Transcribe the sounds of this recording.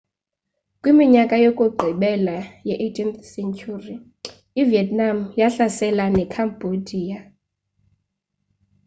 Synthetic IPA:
kʼwimiɲakʼajokʼuɡ͡ǃʱiɓɛlajɛʔetʰʼinθsɛncʰʼuri | iviɛtnamjaɬasɛlanɛkʰambʱodʱiːja

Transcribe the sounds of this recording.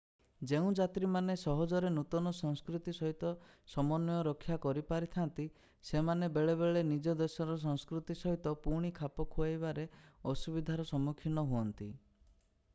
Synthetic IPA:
d͡ʒeũd͡ʒat̪ɾimanesɔɦɔd͡ʒɔɾenut̪ɔnɔsɔŋskɾut̪isɔɦit̪ɔsɔmɔnːɔjɔɾɔkʰːjakɔɾipaɾit̪ʰant̪i | semanebeɭeβeɭenid͡ʒɔd̪esɔɾɔs̬ɔŋskɾut̪isɔɦit̪ɔpuɾɽ̃ikʰapɔkʰuajbaɾeɔsubid̪ʱaɾɔsɔmukʰinɔɦuɔnt̪i

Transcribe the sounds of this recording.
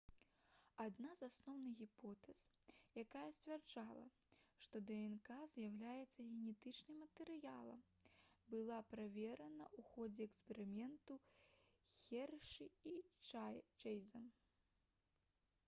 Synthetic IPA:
ad̪nazasnɔwnɨɣʲipɔt̪ɛsjakajɐsʲt͡sʲvʲɛrd͡ʐalˠɐ̰ʂt̪ɔd̪ɛɛnkazʲjawlʲajɛt̪sːɐɣʲɛnʲɛt̪ɨt͡ʂnɨmːɐt̪ɛɾɨjalˠɐ̰mbɨlˠapɾavʲɛɾɐnɐuxɔd͡zʲɛɛkspʲɛɾɨmʲɛnt̪u | xʲɛrʂɨi | t͡ʃɛjzɐm

